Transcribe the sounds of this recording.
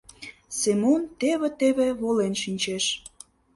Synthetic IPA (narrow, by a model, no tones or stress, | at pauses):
semont̪eβĕt̪eβeβolenʃinʲt͡ɕeʃ